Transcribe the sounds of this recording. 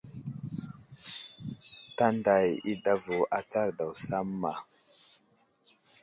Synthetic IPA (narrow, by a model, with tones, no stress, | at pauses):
ta˦nda˨ji˦da˦vo˨ʔa˨t͡sa˦ɾda˨wsa˦mːa˨